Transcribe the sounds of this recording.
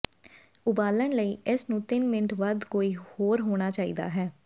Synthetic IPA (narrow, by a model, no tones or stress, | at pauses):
ʊbaːlənləiːɪsnũːt̪ɪnmɪnəʈʰʋəd̪koːiːhoːɾɦoːɽ̃aːt͡ʃaːḭːd̪a̰ːɦɛː